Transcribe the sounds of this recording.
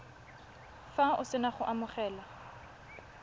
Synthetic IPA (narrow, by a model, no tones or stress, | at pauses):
faʔʊsɪnaχʊʔamʊχɛːla